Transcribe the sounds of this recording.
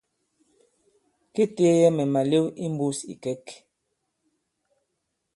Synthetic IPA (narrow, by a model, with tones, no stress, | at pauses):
ke˦te˦jɛ˦mɛ˨ma˨le˦wi˦m˦bu˦sḭ˨kɛ˦k